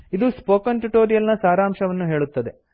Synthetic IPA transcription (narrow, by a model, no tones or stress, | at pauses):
id̪uspoːkɐnʈuʈoːɾijɐlnɐsaːɾaːmʃɐʋɐnːuɦe̞ːɭut̪ːɐd̪e̞